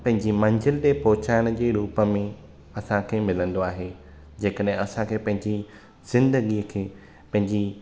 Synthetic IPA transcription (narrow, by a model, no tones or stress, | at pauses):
pɐ̃ɦɪ̃ɲd͡ʑimɐ̃ɲd͡ʑʱəlɗeːpɔɦʊt͡ɕaːɪɽ̃ʊ̆d͡ʑeːɾuːpə̆mẽ | ɐsãkʰeːmɪlə̃nd̪oaːɦeː | d͡ʑeːkəɗɦɪ̃ɐsãkʰeːpɐ̃ɦɪ̃ɲd͡ʑi | z̥ɪ̃nd̪əɡikʰeː | pɐ̃ɦɪ̃ɲd͡ʑi